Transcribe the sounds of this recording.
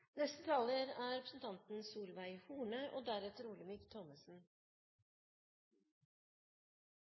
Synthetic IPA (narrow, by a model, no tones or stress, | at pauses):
nɛst̪ət̪ʰɑːləɾæːɾɛpɾəsn̩t̪ʰɑnt̪n̩suːlʋæɪhuːɳəʔoːd̪æɾɛt̪əɾuːlɪmɪkt̪ʰɔməsn̩